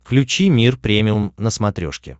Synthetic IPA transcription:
fklʲʉt͡ɕimʲirpɾʲemʲɪlmnəsmɐt̪ɾʲoʂkʲɪ̰

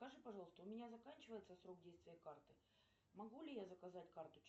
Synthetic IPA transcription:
skɐʐɨpɐʐɑlˠəst̪əʊmʲɪnʲazɐkanʲt͡ɕɪvəjɪt̪səsɾo̞k̚dʲejst̪vʲɪjəkart̪ɨ | mɐɡulʲɪjazəkɐzatʲkart̪ʊt͡ɕ

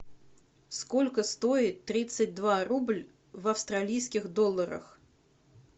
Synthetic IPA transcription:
skɔlʲkəst̪oɪt̪ːɾʲit̪sɨt̚ʲd̪vaɾublʲ | vɐfst̪ɾalʲijskʲixd̪ɔlˠːəɾə̰x

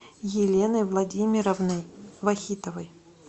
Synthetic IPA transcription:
jɪlʲenəjvlˠɐdʲimʲɪɾəvnəjvɐxʲit̪əvəj

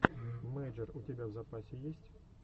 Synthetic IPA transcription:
mɛjʐɛrutʲɪbʲavzɐpasʲɪjesʲtʲ

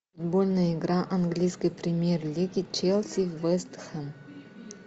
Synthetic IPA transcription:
fʊd̪bolʲnəjəɪɡɾaʔɐnɡlʲijskəjpɾʲɪmʲjerlʲiɡʲɪt͡ɕelʲˠsʲivɛst̪xən

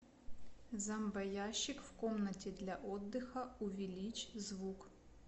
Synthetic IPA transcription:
zɐmbɐjaɕːɪkw̥kɔmnɐtʲid̪lʲɐʔɔd̪ːɪxɐuʋʲilʲit͡ʃzʋuk

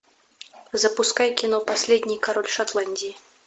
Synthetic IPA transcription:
zɐpuskajkʲinɔpasʲlʲɛd̪ʲnʲijkaɾɔlʲʂat̪lˠanʲdʲiji

